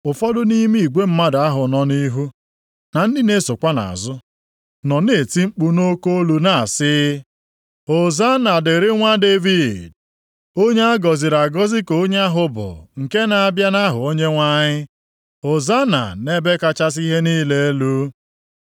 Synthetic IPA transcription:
ʊ˨fɔ˦dʊ˦ni˦mi˦i˨ɡʷe˦m̩˦ma˦da˦ɦʊ˨nɔ˦ni˦ɦu˦ | na˨n̩˦di˦ne˦sʊ˨kʷa˦na̰˨a̰˨zʊ˦ | nɔ˨ne˨ti˦ŋ͡m̩˦k͡pu˦no˦ko˦o˦lu˨na˨a˨sɪ˦ | o˨za˦na˨dɪ˨ɾɪ˦ŋʷa˦de˦vi˦˨d̚ | o˦ɲe˦a˦ɡɔ˨zi˨ɾa˨ɡɔ˦zi˦ko˨˦ɲe˦a˦ɦʊ˦bʊ̰˨ŋ̩˨ke˦na˨a˨bja˦na˦ɦʊ˨o˦ɲe˦ŋʷa˦ɲɪ˦ | o˨za˦na̰˨ne˦be˦ka˦t͡ʃa˦s̬i˦ɦe˦niː˦le˦e˦lu˦

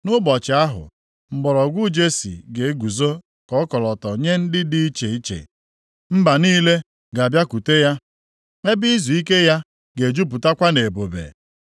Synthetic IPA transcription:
nʊ˦bɔ˨t͡ʃɪ˨˦a˦ɦʊ̰˨ | m̩˨ɡ͡bɔ˨ɾɔ˨ɡʷʊ˦d͡ʒe˦sḭ˨ɡe˨˦ɡʷu˨zo˦ | kɔ˦kɔ˨lɔ˨tɔ˨ɲe˦n̩˦dɪ˦dɪ˦i˦t͡ʃe˨i˦t͡ʃḛ˨ | m̩˦ba˨niː˦le˦ | ɡa˨bja˦ku˨te˦ja˦ | ŋe˦bi˦zu˨i˦ke˦ja˦ | ɡe˨d͡ʒu˦p̬ʊ˨ta˦kʷa˦ne˨e˨bo˨bḛ˨

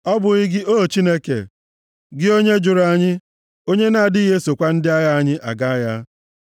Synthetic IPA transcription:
ɔ˦bʊ˨ɣɪ˦ɡɪ˦ʔoː˦˨t͡ʃi˦ne˦kḛ˨ | ɡɪ˦o˦ɲe˦d͡ʒʊ˨ɾa˨ɲɪ˦ | o˦ɲe˦na˦a˨dɪ˦ɦe˦so˨kʷa˦n̩˦dɪ˦a˦ja˦a˦ɲɪ˦ʔa̰˨ɡa˦a˦ja˦

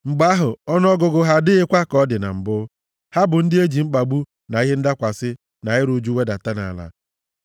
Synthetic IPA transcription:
ŋ͡m̩˨ɡ͡ba˦ɦʊ˨ɔ˦n˦ɔ˦ɡʊ˨ɡʊ˨ɦa˦dɪ˦ɪ˦kʷa˦kɔ˦dɪ˨na̰˨m̩˨bʊ˦ | ha˦bʊ˨n̩˦dɪ˦e˦d͡ʒi˨ŋ͡m̩˦k͡pa˨ɡ͡bu˦ | na˨i˦ɦe˦n̩˦da˦kʷa˨sɪ˦ | na˨ɪ˦ɾu˨d͡ʒu˦we˦da˨ta˦na̰˨la̰˦

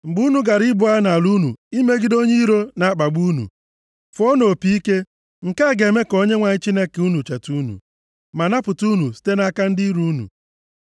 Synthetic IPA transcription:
ŋ͡m̩˨ɡ͡bu˦nu˨ɡa˨ɾi˦bʊ˨a˦na˨lu˦nṵ˨i˦me˦ɡi˦do˦ɲe˦ɾo˦na˨a˦k͡pa˨ɡ͡bu˦nṵ˨ | fo˦no˨pi˦i˦ke˦ | ŋ̩˨ka˦˨ɡe˨me˦ko˦ɲe˦ŋʷa˨ɲɪ˦t͡ʃi˦ne˦ke˨u˦nu˨t͡ʃa˨tu˦nṵ˨ | ma˨na˦pʊ˨tu˦nu˨si̥˦te˦na˦ka˦n̩˦dɪ˦ɾu˦nṵ˨

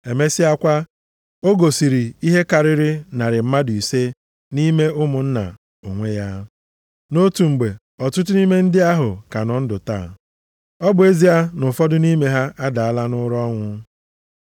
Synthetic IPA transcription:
e˨me˦si˦a˦kʷa˦ | o˦ɡo˨si˨ɾi˨i˦ɦe˦ka˨ɾɪ˦ɾɪ˦na˨ɾɪ˨m̩˦ma˦dʊ˨i˨se˦ | ni˦me˦ʊ˦mʊ˨n̩˦na̰˨ | o˨ŋʷe˦ja˦ | no˦tu˨ŋ͡m̩˨ɡ͡be˨ | ɔ˨tʊ˦t̬ʊ˦ni˦me˦n̩˦dɪ˦a˦ɦʊ˨ka˨nɔ˨n̩˦dʊ˨ta̰ː˦˨ | ɔ˦bʊ˨e˦zi˦a˦nʊ˨fɔ˦dʊ˦ni˦me˦ɦa˦ʔa˦da˨a˦la˦nʊ˦ɾɔ˦ŋʷʊ˦

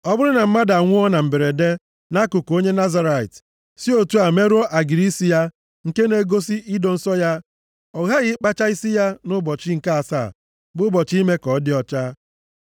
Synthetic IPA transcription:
ɔ˦bʊ˦ɾɪ˦na˨m̩˦ma˦da˨ŋʷʊ˦ɔ˦na˨m̩˨be˨ɾe˨de˦ | na˦kʊ˨ko˦ɲe˦na˦za˦ɾa˨ḭ˨t | si˦o˦tu˦a˨me˦ɾo˦ʔa˨ɡi˨ɾi˦si˦ja˦ | ŋ̩˨ke˦ne˦ɡo˦si˦i˦do˨n̩˦sɔ˦ja˦ | ɔ˨ɣa˦ɣɪ˦k͡pa˦t͡ʃa˦i˦si˦ja˦nʊ˦bɔ˨t͡ʃi˦ŋ̩˨ka˦a˨sa̰˦˨ | bʊ˦bɔ˨t͡ʃi˦me˦kɔ˨˦dɪ˦ɔ˦t͡ʃa˦

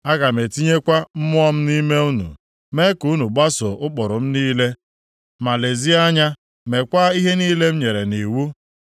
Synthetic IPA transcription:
a˦ɡa˨me˨ti˦ɲe˦kʷa˦m̩˦mʊ˦ɔ˦m̩˦ni˦me˦u˦nṵ˨ | me˦ku˦nu˨ɡ͡ba˦so˨ʊ˦k͡pɔ˨ɾʊ˨m̩˦niː˦le˦ | ma˨le˨zi˦a˦ɲa˦ | me˨kʷa˦i˦ɦe˦niː˦le˦m̩˦ɲe˨ɾe˨ni˨wu˦

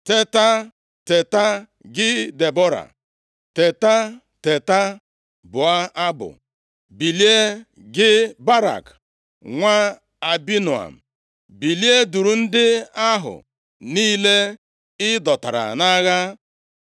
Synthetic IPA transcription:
te˦ta˦ | te˨ta˦ | ɡɪ˦de˨bɔ˦ɾa̰˨ | te˨ta˦ | te˨ta˦ | bʊ˨a˦a˦bʊ̰˨ | bi˨li˦e˦ | ɡɪ˦ba˦ɾa̰˨k | ŋʷa˦ | a˨bi˦nu˨a̰˨m̩˨ | bi˨li˦e˦du˨ɾu˨n̩˦dɪ˦a˦ɦʊ̰˨ | niː˦le˦ | ɪ˦dɔ˨ta̰˨ɾa̰˨na˦ɣa˦

